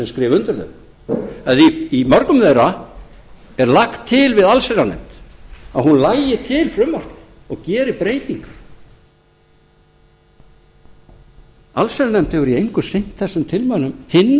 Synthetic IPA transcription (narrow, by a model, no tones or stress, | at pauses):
ɛmskɾɪːvʏnt̪ʏɾθœ̰ | aðiimɔɾkʏmðejɾa | ɛɾlaxt̪ʰːɪlvɪðalseɾanɛ̰m̥t̪aðɦunlaːjɪt̪ʰɪːlfɾʏmːar̥t̪ | ɔɣcɛːɾɪpɾeːjt̪iŋk | alseɾanɛm̥t̪ɛɣʏɾiejŋkʏsejn̥t̪θɛsːʏmt̪ʰɪlmanʏmhɪnː